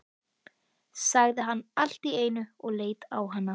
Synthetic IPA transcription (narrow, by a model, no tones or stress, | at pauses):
saɣðɪɦanːal̥t̪ieːjnʏɔɣleːjt̪awɦanːa